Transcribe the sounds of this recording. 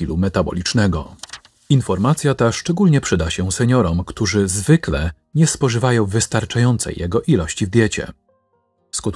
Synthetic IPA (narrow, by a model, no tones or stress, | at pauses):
ilumɛt̪abɔ̰lʲit͡ʂnɛɡɔ | infɔɾmat̪sʲjat̪aʂt͡ʂɛɡulɲɛpʂɘd̪aɕɛsɛɲɔɾɔmkt̪uʐɘzvɘklɛ | ɲɛspɔʐɘvajɔ̃w̃vɘst̪aɾt͡ʂajɔnt̪sɛ̰jːɛɡɔʔilɔɕt͡ɕivd̪ʲjɛt͡ɕɛ̰ | skut̪